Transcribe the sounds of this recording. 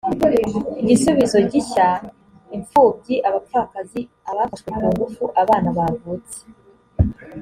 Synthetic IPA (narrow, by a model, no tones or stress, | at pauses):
iɟisuβizo̞ɟiça | iɱfuːb̚ɟiʔaβafakazi | aβafaʃweukaŋɡufuʔaβaːnaβavuːt͡se̥